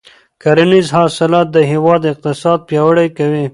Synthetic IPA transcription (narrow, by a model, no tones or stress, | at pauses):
kaɾanizɦɑsɪlɑt̪̚d̪əɦiwɑd̪ɪq̚t̪ɪsɑd̪̚pjɑwəɽajkawi